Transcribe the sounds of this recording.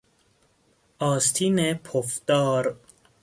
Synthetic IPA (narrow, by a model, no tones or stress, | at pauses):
ɒːst̪ʰiːnepʰofd̪̥ɒːɾ